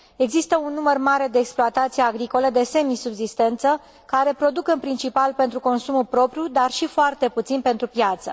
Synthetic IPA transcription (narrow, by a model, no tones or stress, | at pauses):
e̞ɡzist̪əunːumərmaɾe̞d̪e̞ːksploat̪at̪sijeaɡɾiko̞led̪e̞se̞misubzist̪e̞nt̪sə | kaɾe̞pɾo̞d̪ukɨnpɾint͡ʃipalpe̞nt̪ɾuko̞nsumulpɾo̞pɾʲjud̪arʃifoart̪e̞put̪sinpe̞nt̪ɾupjat̪sə̰